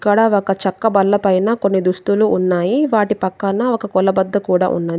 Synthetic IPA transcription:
kːɐɽɐɔkɐt͡ʃɐkːɐbɐlːɐpɐjnaːko̞nːid̪ust̪uluʔːnːaːjiʋaːʈipɐkːɐnɐɔkɐkɔlɐbɐd̪ːɐkuːɽa̰ːʔṵnːaːd̪

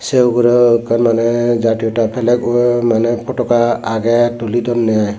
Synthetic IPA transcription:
sewɡɔɾɔkanmanɛzatiɔtapʰɛlɛkmanɛpʰɔtɔkaaɡɛtulidɔnːɛaj

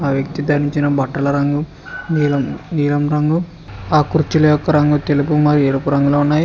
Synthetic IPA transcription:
aːʋjɐkt̪id̪ɐɾiɲt͡ʃinɐbʱɐʈːɐlɐɾɐŋɡu | niːlɐmniːlɐmɾɐŋɡu | aːkuɾt͡ʃulɐjɔkːɐɾɐŋɡut̪e̞lupumɐɾieɾupuɾɐŋɡuloːunːaːji

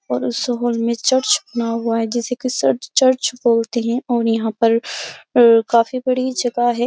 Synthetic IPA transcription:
ɔːɾʊsɦolmẽt͡ʃɐɾt͡ʃʊ̥bnaɦʊaɦɛd͡ʒɪsekisɐt͡ʃɐɾt͡ʃboːlt̪eɦɛ̃ʔɔːɾjɐɦãpɐɾ | kaːfibɐɽid͡ʒɐɡaɦɛː

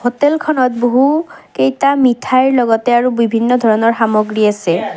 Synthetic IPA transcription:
hotelkʰɔnɔt̚boɦukejtamitʰaɹlɔɡɔtɛaɹubibʱinːɔd̪ʱɔɹɔnɔɹxamɔɡɹiasɛ

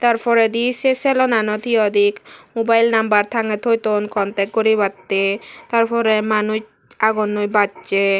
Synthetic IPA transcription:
t̪aɾpɔɾed̪isesɛlonanot̪ʰiɔd̪ʱikmobajlnambaɾt̪ʰaŋet̪ʰojt̪onkʰɔnt̪ek̚ɡoɾibat̪ːet̪aɾpʰɔɾemanuʃ | aɡonːojbatt͡ʃe

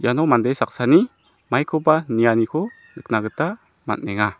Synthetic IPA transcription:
janɔmandejsak̚sani | majkʰɔbanijanikʰɔ | nɯk̚naɡɯta | ma̰t̚nɛŋa

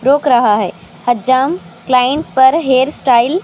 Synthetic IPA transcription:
ɾoːkɾɐɦaɦeː | həd͡ʒaːmklaːjẽɳʈ̚pɐɾɦeːɾsʈaːɪl

